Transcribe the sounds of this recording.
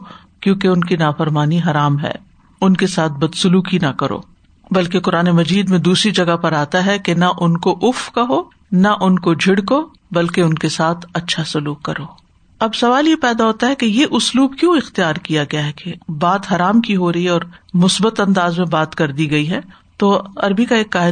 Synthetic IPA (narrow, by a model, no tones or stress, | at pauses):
kjõːkeʊnkinaːfɐɾmaːniɦɐɾaːmɦɛ̰ː | ʊnkesaːt̪̚ʰbɐd̪sʊluːkinɐkɐɾo̰ː | bɐlkekʊɾaːnemɐd͡ʒiːd̪mẽd̪uːsɾid͡ʒɐɡapɐɾaːt̪aɦɛkenɐʔʊnkoʔʊfkɐɦo | nɐʔʊnkod͡ʒʱɪɽko | bɐlkeʊnkesaːt̪ʰɐtːʃʰasʊluːkːɐɾoː | ɐbsɐʋaːljepɛːd̪aɦoːt̪aɦɛkejeʔʊsluːbkjõːɪxt̪ijaːɾkijaɡɐjaɦɛkebaːt̪ɦɐɾaːmkiɦoɾɐɦiɦɛɔːɾmʊsbət̪ɐ̃nd̪aːzmẽbaːt̪kɐɾd̪iɡɐiɦɛː | t̪oːɐɾbikaeːkːaːɦɪ